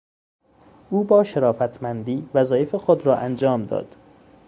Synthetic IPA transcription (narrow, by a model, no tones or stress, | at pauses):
ʔuːbɒːʃeɾɒːfæt̪ʰmænd̪iːvæzɒːjefexod̪ɾɒːʔænd͡ʒɒːmd̪ɒ̰ːd̪̥